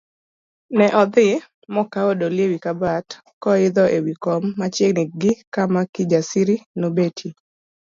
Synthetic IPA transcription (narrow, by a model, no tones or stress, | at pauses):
nɛʔɔd̪ɪ | mɔkaodoljewikabat | kɔɪd̪ɔʔewikɔmːat͡ʃjenɪɡɪkamakɪd͡ʒasiɾinobetʰi